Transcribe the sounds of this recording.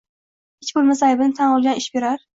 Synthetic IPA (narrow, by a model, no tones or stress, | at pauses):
ɪt͡ʃbolˠmasajbɪnɪt̪ʰanɒlˠɡʲanɪʃbeɾaɾ